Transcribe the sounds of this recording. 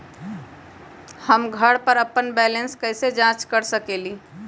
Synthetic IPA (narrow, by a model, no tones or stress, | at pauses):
həmɡʱəɽpəɾəpːənbɛlənskəɪsed͡ʒãt͡ʃkəɾsəkeli